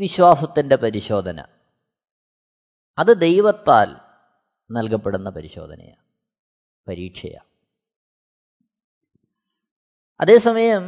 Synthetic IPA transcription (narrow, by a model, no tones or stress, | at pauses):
ʋiɕwaːsɐt̪ːinde̞pɐɾiɕo̞ːd̪ʱɐnɐ̰ | ɐðɨd̪e̞jʋɐt̪ːa̰ːl | nɐlkɐpːeɽunːɐpɐɾiɕo̞̰ːd̪ʱɐ̰nɐ̰ja̰ː | pɐɾiːʈʂɐ̰ja̰ː | ɐ̰ðe̞ːsɐmɐjɐm